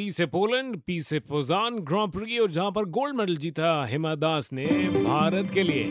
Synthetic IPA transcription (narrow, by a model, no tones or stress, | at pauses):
piːsepoːlə̃ɳɖpiːsepoːzaːnɡɾɔ̃ːpɾiɔːɾd͡ʒɐɦãpɐɾɡoːlɖmɛːɖəld͡ʒiːt̪aɦɪmad̪aːsnebʱaːɾət̪kelieː